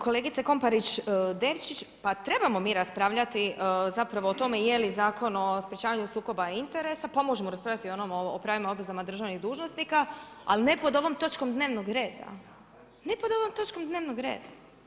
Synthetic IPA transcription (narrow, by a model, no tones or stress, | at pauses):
ko̞le̞ːɡit̪seko̞mpaɾit͡ʃd̪e̞ʋt͡ʃit͡ɕpat̪ɾe̞bamo̞miːɾaspɾaʋʎat̪izapɾaʋo̞ːt̪o̞me̞je̞lizaːkʰo̞nospɾʲjet͡ʃaːʋaɲusuːko̞baint̪e̞ɾe̞sapamo̞ʒemoɾaspɾavʎʲat̪io̞nomoopɾaːʋimaob̪ɾezamad̪r̩ʒaʋniɣd̪uːʒno̞snikaa̰line̞po̞d̪o̞ʋo̞mt̪o̞t͡ʃko̞md̪ne̞ːʋnoɡɾe̞ːd̪a̰ | ne̞pod̪o̞ʋomt̪o̞t͡ʃko̞md̪ne̞ːʋnoɡɾḛːd̪a